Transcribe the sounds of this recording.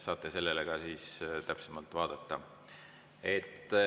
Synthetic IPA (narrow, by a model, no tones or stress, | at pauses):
sɑːt̪ːˑese̞lːeleɡ̥ɑsiːst̪æpsemɑlt̪ːˑvɑːd̪̥ɑt̪ːɑ | e̞t̪ːˑ